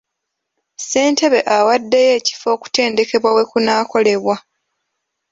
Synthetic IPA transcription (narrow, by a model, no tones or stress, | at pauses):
se̞ːnte̞βe̞ʔawadːe̞je̞ːci̥fo̞ːku̥te̞ːnde̞ke̞βwawe̞kunaːko̞le̞βwa